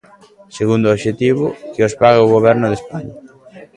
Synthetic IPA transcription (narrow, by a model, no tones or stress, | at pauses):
seɣund̪oːʃet̪iβʊkɪospaɣeoɣoβɛɾnʊðespaɲa